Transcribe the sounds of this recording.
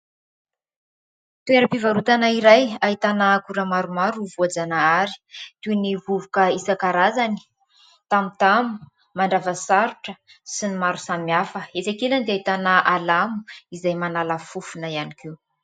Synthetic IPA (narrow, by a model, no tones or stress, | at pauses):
t̪ueɾapivaɾut̪anaiɾajaɦit̪anakuɾəmaɾumaɾuvuad͡zanaaɾi̥t̪univuvukəisakaɾazani̥ | t̪amit̪amu̥ | maɳɖ͡ʐavəsaɾuʈ͡ʂə | sinimaɾusamiafəet͡sakeland̪eait̪anaʔalamu̥izajmanalafufunəianikiw